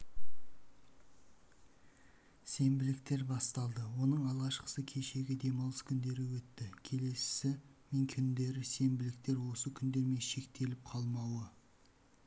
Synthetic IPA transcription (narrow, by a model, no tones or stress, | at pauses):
se̞mbɪlɪk̚t̪e̞ɾbɑst̪ɑlˠd̪əwo̞nəɴɑlˠʁɑʃqə̥səkʲʰe̞ʃe̞ɡʲɪd̪e̞mɑwlˠəskʲʰʏnd̪e̞ɾɪwɵt̪ːɪkʲʰe̞le̞ssɪmeŋkʲʰʏnd̪e̞ɾɪse̞mbɪlɪk̚t̪e̞ɾwo̞səkʲʰʏnd̪e̞ɾme̞nʃe̞kt̪e̞lɪp̚qʰɑlˠmɑwə